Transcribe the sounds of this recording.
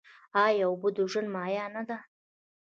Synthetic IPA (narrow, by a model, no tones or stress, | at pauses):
ɑjawbod̪uʒʊnmɑːjɑnad̪a